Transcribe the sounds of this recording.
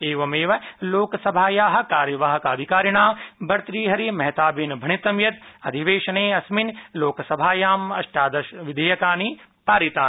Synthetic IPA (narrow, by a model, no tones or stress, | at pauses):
eːʋɐmeːʋɐloːkɐsɐbʱaːjaːɦɐ̆kaːɾjɐʋaːɦɐkaːd̪ʱikaːɾiɳ̃aːbɐɾt̪ɾiːɦɐɾimɐɦt̪aːbinbʱɐɳit̪ɐmjɐt̪ɐd̪ʱiʋeːʃɐneːɐsminloːkɐsɐbʱaːjaːmɐʃʈaːd̪ɐʃʋid̪ʱeːjɐkaːni | paːɾit̪aːn